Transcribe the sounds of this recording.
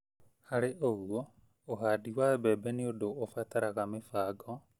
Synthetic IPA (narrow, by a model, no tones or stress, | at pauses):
haɾeʔoɣwɔː | ɦaːdiwabɛːbɛniodoːfataɾaɣamefaːɡɔ